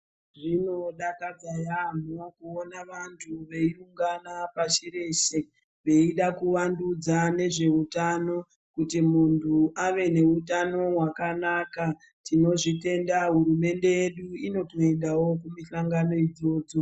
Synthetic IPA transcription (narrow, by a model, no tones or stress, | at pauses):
ʐino̞ɗakad͡zajam̤okuonaʋantʰuʋe̞iuŋɡanapaʃeɾe̞ʃe | ʋe̞iɗakuʋandud͡zane̞ʐe̞utano̞ | kutimuntʰuʔaʋe̞ne̞utano̞ɦwakanaka | tino̞ʐite̞ndaɦurume̞nde̞je̞ɗuino̞toendawo̞kumiɬaŋɡano̞id͡zo̞ːd͡zo̞